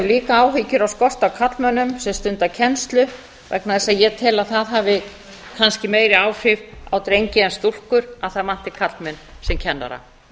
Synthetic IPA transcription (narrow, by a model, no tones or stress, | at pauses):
liːkaaːwɦicʏɾawskɔr̥t̪awkʰat̪lmœnʏmsɛmst̪ʏnt̪acʰɛnst̪lʏ | vɛ̰knaðɛsaðjɛt̪ʰɛːlaðθaðɦaːvɪ | kʰanscɪmeːjɾɪaːwfɪvawt̪ɾejɲcɪɛnst̪ul̥kʏɾaðθaðman̥t̪ɪkʰat̪lmɛnsɛmcʰɛnːa̰ɾa̰